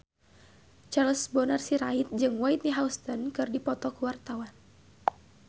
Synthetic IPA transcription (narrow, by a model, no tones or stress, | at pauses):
t͡ʃarlsbɔnarsiɾait̪̚d͡ʒɨŋwait̪̚niɦaust̪ɔnkɨrdipɔt̪ɔkuwart̪awan